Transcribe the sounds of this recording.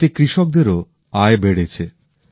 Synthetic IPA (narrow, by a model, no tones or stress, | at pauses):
t̪ekɾiʃok̚d̪eɾo | aebeɽet͡ɕʰe